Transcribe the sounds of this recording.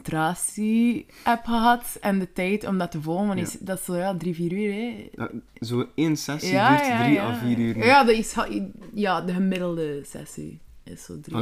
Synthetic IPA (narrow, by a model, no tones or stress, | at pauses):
traːsi | ɛpxəɦɑtɛndətɛjtɔ̰mdɑtəvolənvɑnɪsdɑtsojadriviːɾyːɾɛ̰ | zoːeːnsɛsjajaiaviːɾyːɾjadɪsjaːdəɣəmɪdəlˠdəsɛ̰sḭɪ̰sso̰dri